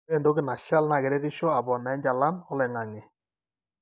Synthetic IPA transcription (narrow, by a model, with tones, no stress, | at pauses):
e˦˨ndo˦kɪ˦˨na˨ʃa˦lna˨ɡe˨ɾe˦ɾɪ˦ʃɔ˦a˨bɔ˨nɛ˨˦ɲd͡ʒa˨la˦nɔ˦lɛ˨ŋa˨ŋɪ˨